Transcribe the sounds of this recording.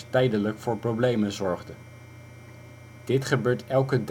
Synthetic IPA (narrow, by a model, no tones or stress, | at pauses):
tɛjdələkfʊːɹprowblejmənzɔɹχdə | d̥ɪtχəbøːɹtɛlˠkəd